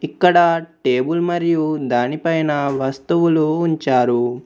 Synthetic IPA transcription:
ikːɐɽɐʈeːbulmɐɾjud̪aːnipɐjnɐʋɐst̪uʋuluːɲt͡ʃaːɾu

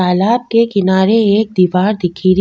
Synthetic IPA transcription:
aːlaːb̚kekɪnaːɾeeːk̚d̪iːʋaːɾd̪ɪkʰiːɾ

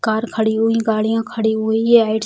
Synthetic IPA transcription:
kaːɾkʰəɽiːɦʊĩɡaːɽɪjãːkʰəɽiːɦʊieaːɪʈ

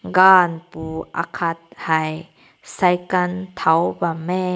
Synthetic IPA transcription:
ɡaːnpuʔa̰kʰat̪̚haj | sɐjkɐnt̪ʰɐwbame

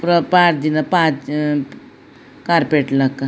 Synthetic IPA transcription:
pɾəpaɾd̪inapãt͡s | kaɾpeʈlakːa

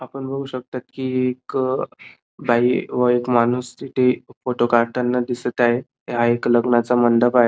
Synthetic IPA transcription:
apəɳbʱəɡuɕək̚t̪at̪kiːek | bʱaiʋəekmanust̪it̪ʰefoʈokaɾʈʰanːad̪isət̪aɦe | ɦaekləɡnat͡samənd̪əbaɦe

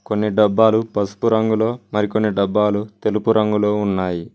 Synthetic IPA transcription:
ko̞nːiɖɐbːaːlupɐsu̥puɾɐŋɡulo̞ːmɐɾiko̞nːiɖɐbːaːlut̪e̞lupuɾʔɐŋɡulo̞ːunːaːji

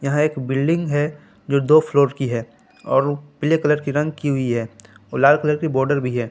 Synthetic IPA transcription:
jɐɦãeːkbɪlɖɪ̃ŋɡɦɛ | d͡ʒoːd̪oːfloːɾkiɦɛː | ɔːɾpɪlekɐləɾkiɾɐ̃ŋɡkiɦʊiɦɛː | ɔlaːlkələɾkibɔːɾɖəɾbʱiɦɛː

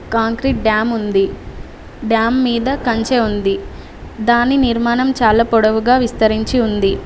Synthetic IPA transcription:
kaːŋkɾiʈ̚ɖjaːmund̪i | ɖjaːmːiːd̪ɐkɐɲt͡ʃeːund̪i | d̪aːnːiniɾmaːnɐmt͡ʃaːlɐpɔɽɐʋuɡaːʋist̪ɐɾiɲt͡ʃiund̪i

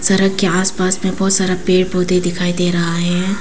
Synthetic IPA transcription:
sɐɾəɡkːeaːspaːsmẽbɔːt̪saːɾapeːʈ̚boːd̪ed̪ɪkʰaːid̪eːɾɐɦaɦɛ̃ː

